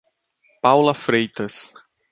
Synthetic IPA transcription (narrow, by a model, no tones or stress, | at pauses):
pawlɐfɾejt̪ɐs